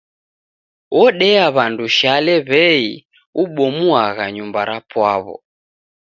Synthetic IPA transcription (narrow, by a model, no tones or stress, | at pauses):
wɔɗɛaβanduʃalɛβɛi | uɓɔmuaɣaɲumbaɾapwaβɔ̰